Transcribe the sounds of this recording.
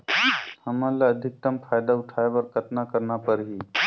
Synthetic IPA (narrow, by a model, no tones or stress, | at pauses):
həmãlaəd̪ʱɪk̚t̪əmfʰaːjd̪aʊʈʰaeʋəɾkət̪nakəɾnapəɾɦiː